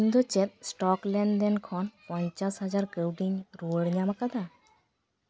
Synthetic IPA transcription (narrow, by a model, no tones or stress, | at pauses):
ind̪ɔt͡ʃɛt̪̚sʈɔklɛɳɖd̪ɛnkʰɔnpɔɲt͡ʃasɦad͡ʒaɾkəwɖiɲɾuəɽɲamakad̪a